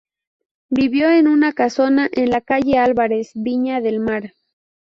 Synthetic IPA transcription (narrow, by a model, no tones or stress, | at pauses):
biβjo̞e̞nunakaso̞naʔenlakaʝe̞alβaɾe̞sβiɲaðe̞lmaɾ